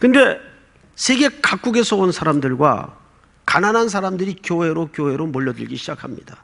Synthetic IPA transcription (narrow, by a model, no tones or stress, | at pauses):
kɯnde̞ | sʰe̞ɡe̞kak͈̚uɡe̞sʰʌonsʰaɾamdɯɭɡwa̰ | kananɦans̬ʰaɾamdɯɾikjoɦe̞ɾokjoɦe̞ɾomoʎːʌdɯ̰ɭɡiɕʰid͡ʑakʰamɲḭd̥a